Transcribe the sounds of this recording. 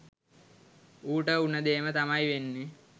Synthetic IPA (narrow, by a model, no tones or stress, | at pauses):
uːʈəunəd̪eːmət̪amajʋenːe